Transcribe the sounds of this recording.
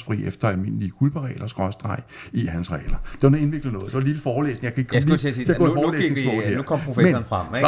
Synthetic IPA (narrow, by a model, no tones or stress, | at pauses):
sfʁḭːefd̥ɐælme̝n̰likʰulb̥əʁɛ̰ːlɐsɡ̥ʁɶsd̥ʁɑ̈ɪ̰ | ihænsʁɛ̰ːlɐd̥e̝ʋɑnɔe̝nʋe̝ɡ̥lənɔ̽ːðˠd̥e̝ʋɑlil̥əfɒːlḛːsne̝ŋjɑkæe̝ɡ̥əkmliee̝ɐɡɔ̰fɒːlḛːne̝ŋ̥ɔ̰̥ːheɐkʰɒm̰pʰʁofemenfʁa